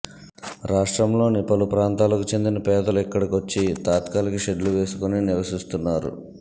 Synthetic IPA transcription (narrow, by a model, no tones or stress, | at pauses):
ɾʔaːʂʈɾɐmlo̞ːnipɐlupɾaːnt̪aːlɐkut͡ʃe̞nd̪inɐpɛːd̪ɐluɛkːɐɽɐkot͡ʃːit̪aːt̪kaːlikiʃe̞ɖluʋe̞ːsu̥koniniɾʋɐsist̪unːaːɾṵ